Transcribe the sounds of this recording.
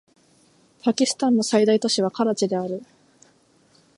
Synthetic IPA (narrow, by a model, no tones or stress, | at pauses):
pakʲisɨ̥t̪ãnːo̞said̪ait̪o̞ɕiβ̞akaɾat͡ɕid̪e̞aɾɯ̟